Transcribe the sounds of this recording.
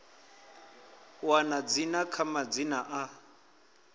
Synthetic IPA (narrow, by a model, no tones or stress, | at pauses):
wanad͡zinakʰamad͡zinaʔa